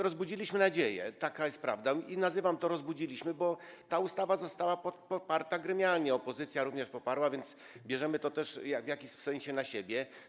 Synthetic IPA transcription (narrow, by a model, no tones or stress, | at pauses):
ɾɔzbud͡ʑilʲiɕmɘnad͡ʑejɛ̰t̪akajɛst̪̚pɾa̰vd̪ainazɘvamt̪ɔɾɔzbud͡ʑilʲiɕmɘbɔt̪aust̪avazɔst̪awapɔt̪pɔpaɾt̪aɡɾɛmʲjalɲɛɔpɔzɘt̪sʲjaɾuvɲɛʂpɔpaɾwavʲjɛnd̪s | bʲjɛʐɛmɘt̪ɔt̪ɛʂjavʲjakʲisɛ̃ɲ̃ɕɛnaɕebʲjɛ